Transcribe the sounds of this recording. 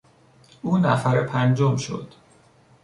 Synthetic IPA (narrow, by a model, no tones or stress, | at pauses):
uːnæfæɾepʰænd͡ʒomʃo̰d̪̥